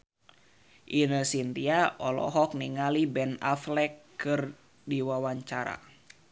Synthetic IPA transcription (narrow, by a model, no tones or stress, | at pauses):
ʔinəsindiaʔɔlɔ̰ɦɔk̚niŋalibɛnaflɛkː | ɨr | diwawaɲt͡ʃaɾa̰